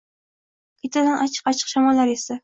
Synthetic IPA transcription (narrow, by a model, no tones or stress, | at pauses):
kʲʰet̪ʰad̪anʔat͡ʃʰɨ̥qɑt͡ʃʰɨ̥qʃamɒlːaɾesa